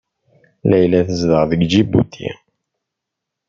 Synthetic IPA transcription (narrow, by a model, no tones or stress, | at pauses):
læjlæθəzðəʁðəɡd͡ʒibṵt̪ʰḭ